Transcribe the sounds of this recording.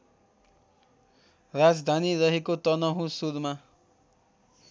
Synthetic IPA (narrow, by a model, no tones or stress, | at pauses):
rad͡zd̪ʱaniɾʌɦekot̪ʌnʌɦũsud̪ʱma